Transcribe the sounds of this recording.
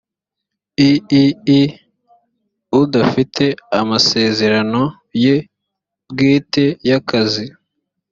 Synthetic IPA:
iii | udafitʰe̞amase̞ːze̞ɾano̞ | je̞ | bɡiːtejakazi

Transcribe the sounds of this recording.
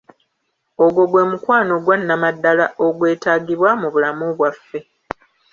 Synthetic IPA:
o̞ɡo̞ɡwe̞ːmukwaːno̞ɡwanːamadːalaoɡwe̞ːtaːɡiβwamuβulamuβwafːe̞

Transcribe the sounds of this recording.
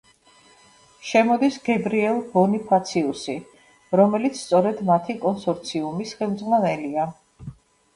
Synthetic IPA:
ʃɛmɔd̪isɡɛbɾiɛlˠbɔnipʰat̪sʰiusi | ɾɔmɛlit̪sʰst̪sʼɔɾɛd̪mat̪ʰikʼɔnsɔɾt̪sʰiumisχɛmd̪zʁwanɛlia

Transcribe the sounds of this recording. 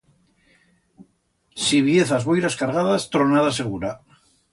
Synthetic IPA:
siβjeθazβojɾaskaɾɣaðast̪ɾonaðaseɣuɾa

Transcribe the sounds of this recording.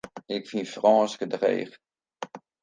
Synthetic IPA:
ɪkfinfrɔːskədrḛːχ

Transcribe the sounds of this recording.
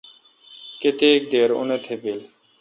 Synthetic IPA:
ket̪eːk̚d̪eːɾʊ̰net̪ʰepil

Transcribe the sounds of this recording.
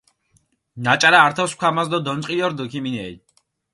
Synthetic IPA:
nat͡ʃʼaɾaːɾt̪ʰɔskʷʰamasd̪ɔd̪ɔnʼqʼijɔɾd̪ɔkʰiminɛi

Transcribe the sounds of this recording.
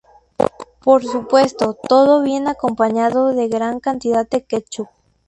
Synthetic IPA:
poɾsupwe̞st̪ot̪oðoβje̞nakompaɲaðoðeɣɾaŋkant̪iðaðeket͡ʃu

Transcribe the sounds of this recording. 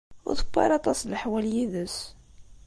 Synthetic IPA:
ʊ̰ɾθə̥kʷːa̰ɾɑt̪ˤɑslħwæljiðəs

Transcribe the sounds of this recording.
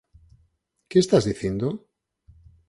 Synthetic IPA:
keːst̪azðiθjend̪o

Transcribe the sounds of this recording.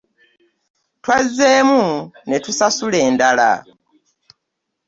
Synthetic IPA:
twazeːmunetusasule̞ːndala̰

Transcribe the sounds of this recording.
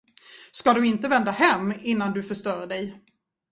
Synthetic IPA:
skad̪ɵɪnt̪əvɛnd̪ahɛmːɪnːand̪ɵfœʂt̪œːɾɖɛj

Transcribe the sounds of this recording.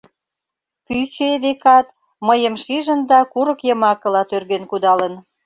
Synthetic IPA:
pyt͡ɕeβekɑt̪ | məjə̆mʃiʒə̆nd̪ɑkuɾə̆kjə̆mɑkə̆lɑt̪ørɣenkud̪ɑlə̆n

